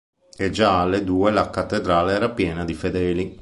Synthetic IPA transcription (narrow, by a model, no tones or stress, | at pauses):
ed͡ʒaalːed̪uːelakat̪ːed̪ɾaːleɛːɾapjɛːnad̪ifed̪ɛːli